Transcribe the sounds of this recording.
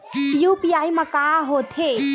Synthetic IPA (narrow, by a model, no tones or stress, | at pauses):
jupijajməkaɦot̪ʰe